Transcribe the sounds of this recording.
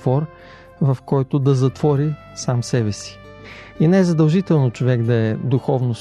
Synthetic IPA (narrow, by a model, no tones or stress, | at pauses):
vɔɾ | vɐfkɔjt̪ʊd̪ɐzɐt̪vɔɾi | samsɛbɛsi̥ | inɛɛzɐd̪ɐlˠʒit̪ɛlˠnot͡ʃovɛɡd̪ɐɛd̪ʊxɔvnos